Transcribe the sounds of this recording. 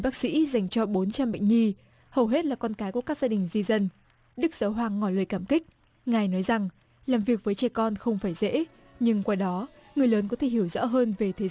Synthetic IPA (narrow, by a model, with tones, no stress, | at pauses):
ɓaː˦˥k̚sḭ˧˥za˨˩jŋ̟t͡ɕɔ˧ɓo˨˦nt͡ɕa˧mɓə̰˧˨jŋ̟ŋi˧ | hə˨˩wɦe˦˥t̚laː˨˩kɔ˧nkaː˨˦jku˧˩əkaː˦˥k̚zaː˧ɗï˨˩ŋ̟zi˧zə˧n | ɗɨ˦˥k̚z̥əː˨˦ɦwaː˨˩ŋːɔ˧˩ləː˨jkaː˧˩mkï˦˥k̟̚ | ŋaː˨˩jnɔ˨˦jza˨˩ŋ | laː˨˩mvi˨˩ək̚vəː˨˦jt͡ɕɛ˧˩jkɔ˧nxə˧wŋ͡mfaː˧˩jzḛ˧˥ | ɲɨ˧ŋkwaː˧˩ɗɔ˨˦ | ŋɨ˨˩əjləː˨˦nkɔ˨˦t̪ʰe˧˩ɦi˧˩əwzɔ̰ː˧˥ɦəː˧nve˨˩t̪ʰe˨˦˨